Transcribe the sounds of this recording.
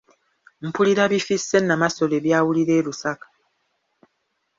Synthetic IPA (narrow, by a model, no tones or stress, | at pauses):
m̩puliɾaβifisenːamasolebjawuliɾelusakḁ